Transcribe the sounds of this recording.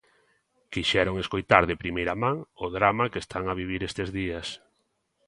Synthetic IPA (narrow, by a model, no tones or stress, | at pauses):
kiʃɛɾoŋeskojt̪aɾðepɾimejɾamãŋʊðɾamakest̪ʰaŋaβiβ̞iɾest̪ezðias